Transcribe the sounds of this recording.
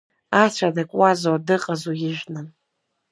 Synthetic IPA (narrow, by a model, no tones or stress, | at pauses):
at͡ʃʷʰadakʷʼwazodɨqʼəzujɪʒᶣnɨn